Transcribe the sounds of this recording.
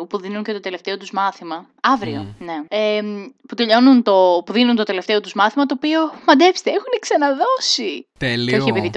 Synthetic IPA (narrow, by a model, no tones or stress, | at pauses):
opuðinuɲce̞t̪o̞t̪e̞left̪e̞o̞t̪uzmɐθimɐ | ɐvɾio̞̰ne̞eput̪e̞ʎo̞nunt̪o̞puðinunt̪o̞t̪ele̞ft̪e̞o̞t̪uzmɐθimɐt̪o̞ːpio̞mɐd̪epst̪eexuneksɐnɐðo̞sit̪elieoçiepiðit̪